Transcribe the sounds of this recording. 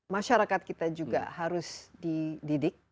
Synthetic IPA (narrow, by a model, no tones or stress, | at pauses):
maʃaɾakat̪̚kit̪ad͡ʒuɡa̰haɾʊsdididɪk̚